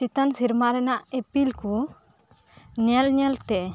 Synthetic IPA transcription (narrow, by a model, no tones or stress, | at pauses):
it̪ansiɾmaɾɛnaʔepilku | ɲɛlɲɛlt̪ɛ